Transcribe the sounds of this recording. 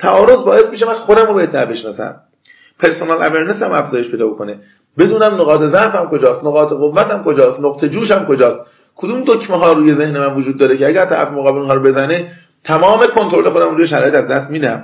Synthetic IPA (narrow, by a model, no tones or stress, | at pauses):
t̪ʰæʔɒːɾo̞zbɒːe̞smiʃ̬emænxod̪æmɾobeet̪̚d̪æɾbe̞ʃnɒ̰ːsæ̰m | pʰe̞ɾsonɑːlæ̰veɾneshæ̰mæfz̥ɒːjeʃpʰe̞jd̪ɒːbokʰone | be̞d̪uːnæmnoɣɒːt̪ʰe̞zæʔfæmko̞d͡ʒɒːst̪noɣɒːt̪ʰeɣovːæt̪æmko̞d͡ʒɒːst̪noqt̪ʰe̞d͡ʒuːʃhæmko̞d͡ʒɒːst̪ | kʰod̪uːmd̪ocʰmeɦɒːɾuːje̞ze̞hnemænvod͡ʒuːd̪ːɒːɾecʰeæɡæɾt̪ʰæ̰ɾæ̰femoɣɒːbelinɦɑːɾobe̞zæne | t̪ʰæmɒːme̞kʰo̞nt̪oɾo̞le̞xo̞d̪æmɾuːjeʃ̬æɾ̰ːjet̪æzd̪æst̪miːd̪æm